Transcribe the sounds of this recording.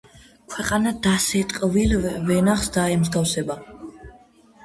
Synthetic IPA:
kʰwɛqʼanad̪asɛt̪ʼqʼvilvɛnaχsd̪aɛmzɡafsɛba

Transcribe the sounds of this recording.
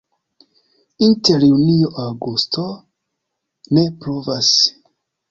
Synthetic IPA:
inte̞ɾjunioʔawɡusto | ne̞pɾuvas

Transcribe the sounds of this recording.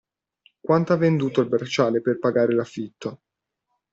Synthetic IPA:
kwant̪oavend̪uːt̪oilbert͡ʃaːleperpaɡaːɾelafːit̪ːo

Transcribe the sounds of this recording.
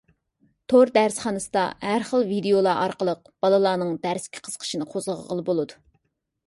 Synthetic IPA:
t̪ʰoɾd̪æɾsχɑnɨsɨd̪ɑ̰hæɾχəlˠvid̪ejolˠɑʔɑɾqəlˠəq̚ | b̥ɑlˠɨlˠɑːnɨŋd̪æɾskʲʰi̥qʰə̥z̥qʰə̥ʃinɨqʰozəʁʁəlˠɨbolˠɨd̪u

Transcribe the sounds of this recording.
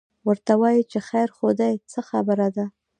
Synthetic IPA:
wəɾt̪awɑjit͡ʃexajɾxod̪ajt͡səxa̰bəɾad̪a

